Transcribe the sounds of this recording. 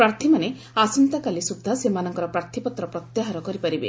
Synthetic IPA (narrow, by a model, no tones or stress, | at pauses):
pɾaɾt̪ʰimane | asɔnt̪akalisud̪ʱːasemanɔŋkɔɾɔpɾaɾt̪ʰipɔt̪ɾɔpɾɔt̪jaɦaɾɔkɔɾipaɾibḛ